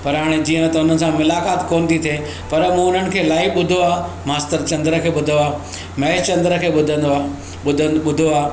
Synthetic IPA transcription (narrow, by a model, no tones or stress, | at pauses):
pɐɾɦaːɽ̃ed͡ʑiːə̃t̪ɐʊn̤ənɪ̆sãmʊlaːkaːt̪koːnɪt̪ʰit̪ʰiẽː | pɐɾmũːʊn̤ənɪ̆kʰeːlaːiɓʊd̪ʱoaː | maːst̪əɾt͡ɕɐ̃nd̪ɾə̆kʰeːɓʊd̪ʱoaːɦ | mɛt͡ɕɐ̃nd̪ɾə̆kʰeːɓʊd̪ʱə̃nd̪oa | ʊd̪ʱəɓʊd̪ʱoaː